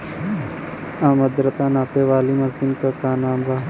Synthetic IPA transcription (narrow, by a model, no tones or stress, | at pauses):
ãːmɐd̪ɾət̪aːnaːpeːʋaːlimɐsinkəkaːnãːmbaː